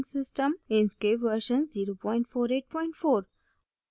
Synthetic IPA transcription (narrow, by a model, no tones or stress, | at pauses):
nsɪsʈə̃mẽnskeːpʋəɾʃə̃nziːɾopɔ̃ɪ̃ɳʈfoːɾeːʈ̚pɔ̃ɪ̃ɳʈfoːɾ